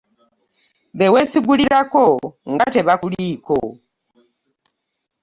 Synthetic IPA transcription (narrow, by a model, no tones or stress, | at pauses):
βewesiɡuliɾakoŋɡateβakuliko̰